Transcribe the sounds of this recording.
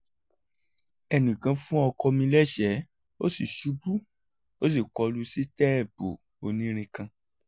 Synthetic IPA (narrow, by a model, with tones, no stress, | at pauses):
ɛ˧˨nĩ˨kã˧fũ˦ɔ˧kɔ˧mĩ˧lɛ˦ʃɛ˨˦ | o̰˦si˦˨ʃu˨˦bu˦ | o˦s̬i˦˨kɔ˧lu˦si˦tɛ˦ɛ˦˨po˨ | o˨˧nĩ˦ɾ̃ĩ˧kã˧